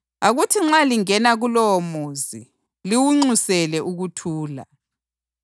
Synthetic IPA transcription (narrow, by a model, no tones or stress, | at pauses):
aɣutʰiŋ͡ǁaliŋɛnaɣulɔwomuzi | liwuŋ͡ǀusɛlɛʔuɣutʰuːla̰